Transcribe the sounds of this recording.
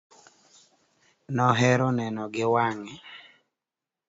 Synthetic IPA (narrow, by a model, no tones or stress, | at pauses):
nɔɦɛɾɔnɛnɔɡɪwaŋɛ